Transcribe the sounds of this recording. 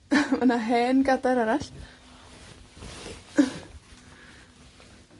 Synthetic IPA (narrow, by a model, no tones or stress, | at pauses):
manaɦɛnɡadaɾɛɾaɬ